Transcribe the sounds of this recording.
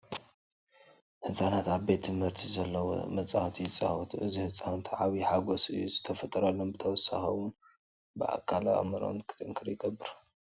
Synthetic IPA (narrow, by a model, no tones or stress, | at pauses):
hɨsʼanat̪aβbe̞t̪ʰːɨmhɨɾt̪ʰizɐlːɐwo̰mɐt͡sʼaxt̪ʰit͡sʼa̰wut̪ʰʔɨzihɨsʼant̪ʰʕaβiħaɡosɨ̰juzɨt̪ʰɐfɐt̪ʼɐɾalːonbɨt̪ʰɐwɔsːaxɐwʊn | bɨa̰kʰala̰mɐɾo̰nkʰɨ̥t̪ʼɨŋkʰɨɾjɪɡɐbːɨɾ